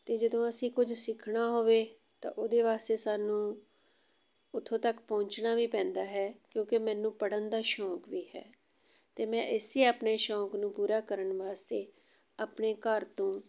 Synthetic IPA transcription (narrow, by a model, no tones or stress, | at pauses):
t̪eːd͡ʒəd̪õːəsĩːkʊd͡ʒsɪkʰɳaːɦoːʋeː | t̪ã̰ːʔoːd̪eːʋaːst̪eːsaːnũː | ʊt̪ʰõːt̪əkpɔ̃ːɲt͡ʃnaːʋiːpɛ̃ːnd̪aːɦɛːkjõːkemɛ̃ːnːũːpəɽənd̪aːʃɔ̃ːkʋiːɦɛ̰ː | t̪eːmɛ̃ːʔɪsiːaːpɳeːʃɔ̃ːknũːpuːɾaːkəɾəɳʋaːst̪eː | aːpneːkəɾt̪õː